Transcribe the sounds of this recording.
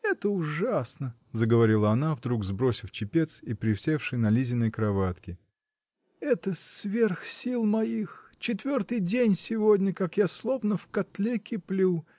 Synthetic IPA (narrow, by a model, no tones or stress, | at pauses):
ɛt̪əʊʐasnə | zəɡəvɐɾʲilˠəɐnavd̪ɾuɡzbɾosʲɪft͡ɕɪpʲe̞t̪sipɾʲɪfsʲefʂɨjnɐlʲizʲɪnːəjkɾɐvat̪kʲɪ | ɛt̪əsvʲe̞rxsʲilˠmɐjixt͡ɕɪt̪vʲort̪ɨjdʲenʲsʲɪvodʲnʲəkakjaslˠo̞vnəfkɐt̪lʲekʲɪplʲu